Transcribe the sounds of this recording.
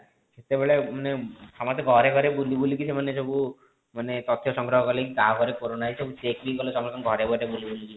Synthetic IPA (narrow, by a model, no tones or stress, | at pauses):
set̪ebeɭemanesɔmɔst̪ɡʱɔɾeɡʱɔɾebulibulikisemanesobu | manet̪ɔt̪ʰjɔsɔŋɡɾɔɦɔkɔlekikaɡʱɔɾekoɾonaisobut͡ʃekbikɔlesɔmɔst̪ɔɡʱɔɾebɔɾebulibuliki